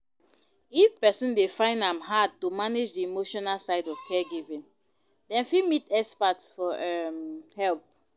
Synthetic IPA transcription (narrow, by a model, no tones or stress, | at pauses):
ifpɛsɔ̃ndefãɪ̃ndãmɦad̚tumaned͡ʒdiimoʃɔnalsaɪdɔv̥kʰɛɡivĩn | dɛ̃nfimitɛkspatsfɔʔɛmhɛlp̚